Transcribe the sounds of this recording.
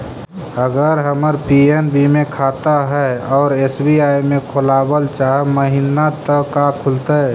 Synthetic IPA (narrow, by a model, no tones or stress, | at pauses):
əɡəɾɦəməɾpienbimẽkʰaːt̪aɦɛɔːɾeːsbiaːjmẽkʰolaːbəlt͡ʃaɦməɦinat̪əkakʰʊlt̪e